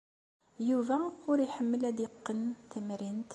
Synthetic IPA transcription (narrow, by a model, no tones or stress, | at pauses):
juvæwɾijħəmːəlæd̪iqːənt̪æmɾint̪